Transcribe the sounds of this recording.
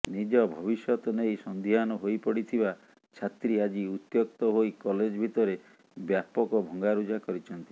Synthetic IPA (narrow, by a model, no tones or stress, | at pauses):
nid͡ʒɔbʱɔbisjɔt̪ɔnejsɔnd̪ʱianɔɦojpɔɽit̪ʰiba | t͡ʃʰat̪ɾiad͡ʒiut̪jok̚t̪ɔɦojkɔled͡ʒbʱit̪ɔɾe | bjapɔkɔbʱɔŋɡaɾud͡ʒakɔɾit͡ʃʰɔnt̪i